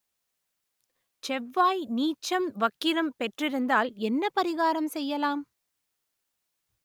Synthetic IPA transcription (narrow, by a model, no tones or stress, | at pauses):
t͡ʃɛʋːaːjniːt͡ʃːɐmʋɐkːɪɾɐmpɛʈrɪɾɯnd̪aːlɛnːɐpɐɾɪɣaːɾɐmsɛjːɐlaːm